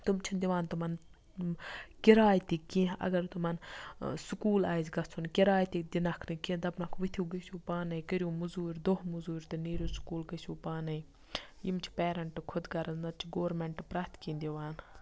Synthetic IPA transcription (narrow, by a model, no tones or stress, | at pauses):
t̪umt͡ʃʰind̪iʋaːnt̪umɐn | kɪɾaːjt̪ikiʔɐ̰ɡɐɾt̪umɐnsʊkuːlaːjzɡɐt͡sʰunkiɾaːjt̪id̪ʲinɐkʰnɨkĩd̪ɐbnakʰʋit̪ʰʲuːɡəʃuːpaːnɐjkəɾjũːmuzuːɾʲd̪oɦmuzuːɾʲt̪ɨniːɾʲjuːskuːlɡəʃuːpaːnɐ | jimt͡ʃʰi̥pɛːɾɐɳʈkʰʊd̪ɡɐɾɐznɐt̪̚t͡ʃʰiɡoːɾmeɳʈpɾaːt̪kĩːnd̪iʋaːn